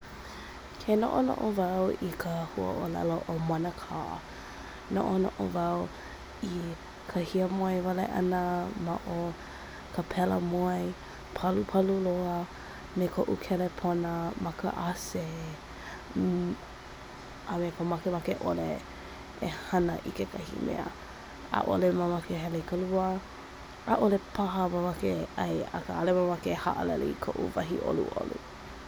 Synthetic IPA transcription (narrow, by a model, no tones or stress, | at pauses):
kʰeno̰ʔono̰ʔovawikʰəhuə̰ʔolɛ̰loʔomanəkʰa̰ | no̰ʔono̰ʔo̰vaw | i | kʰəhiəmoəjvalḛʔɐ̰nəmaʔo | kʰəpʰɛlə̰moəj | pʰalupʰaluloə | mekʰoʔṵkʰɛlepʰonəmɐkə̰ʔase | ʔamepʰəmɐkemakeʔole | ehɐnəʔikekʰɐhḭmʔḛə̰ | a̰ʔo̰lemamakeɦɛleikʰəluə | ʔaʔolepʰaɦəmamakeɐ̰jə̰kəalemamakeha̰ʔə̰lɛ̰leikʰoʔṵvɐɦiʔo̰lṵʔo̰lu